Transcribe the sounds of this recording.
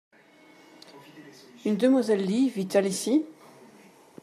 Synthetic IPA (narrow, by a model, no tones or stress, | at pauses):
ynd̪əmwazɛlːivit̪alisi